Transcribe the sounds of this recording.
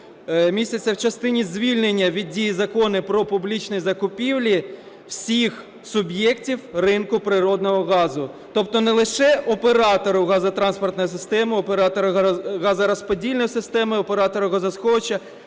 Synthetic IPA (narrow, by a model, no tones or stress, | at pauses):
mʲisʲtʲɐt͡sʲːɐwt͡ʃɐst̪ɪnʲizʲʋʲilʲnenʲːɐʋʲid̚ʲijizɐkɔnɪpɾɔpʊblʲit͡ʃnɔjzɐkʊpʲiwlʲi | w̥sʲix | sʊbjɛktʲiwrɪnkʊpɾɪɾɔd̪nɔɦɔɣɑzʊ | t̪ɔp̚t̪ɔnɛlˠɪʃɛʔɔpeɾɑt̪ɔɾʊɣɑzɐt̪ɾɑnspɔrt̪nɔjis̬ɪst̪ɛmɪɔpeɾɑt̪ɔɾɐɣɑzɐɾɐspɔdʲilʲnɔjsɪst̪ɛmɪɔpeɾɑt̪ɔɾʊɣɐzɐsxɔt͡ʃɐ